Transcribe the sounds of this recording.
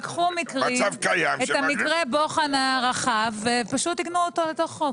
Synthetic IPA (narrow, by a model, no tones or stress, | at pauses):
kχumikʁiavkajaeamikʁebo̞χanaʁaχavːepaʃut̪ːiɡnuotoleto̞χo